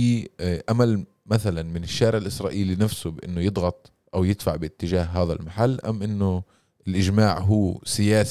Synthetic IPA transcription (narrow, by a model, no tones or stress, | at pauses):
iʔamal | maθalanmɪnɪʃːaːɾɪʕɪlʔɪsɾˤɑːʔiːlinafsʊbʔɪ̰nːʊjɨd̪ˤɣɑt̪ˤ | ʔawjɪd̪faʕbɪt̪ːɪʒaːɦɦaːðalmaħalːʔamːʔɪnːʊ | ɪlʔɪʒmaːʕɦuːsɪjaːs